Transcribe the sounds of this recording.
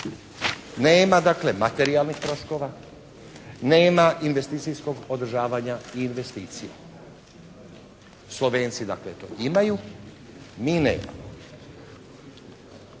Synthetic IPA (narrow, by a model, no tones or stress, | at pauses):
neːmad̪akle̞mat̪e̞ɾialˠnixt̪ɾo̞ʃko̞ːʋa | ne̞ːmaʔinʋe̞st̪iːt̪sijsko̞ɡod̪ɾ̩ʒaːʋaɲaiːnʋe̞st̪iːt̪sija | slˠo̞ʋe̞ːnt̪sid̪aklet̪o̰imaju | miːnḛːma̰mo